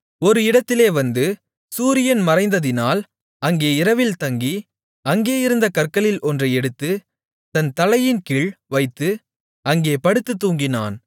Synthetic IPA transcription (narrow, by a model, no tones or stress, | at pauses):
ɔɾɯɪɽɐt̪ːɪleːʋɐnd̪ɯ | suːɾɪjɐnmɐɾɐɪnd̪ɐðɪnaːl | ɐŋɡeːɪɾɐʋɪlt̪ɐŋɡi | ɐŋɡeːjɪɾɯnd̪ɐkɐrkːɐlɪlʔɔndrɯɛɽɯt̪ːɯ | t̪ɐnt̪ɐlɐjɪnkɪɭʋɐɪt̪ːɯ | ɐŋɡeːpɐɽɯt̪ːɯt̪ːuːŋɡɪna̰ːn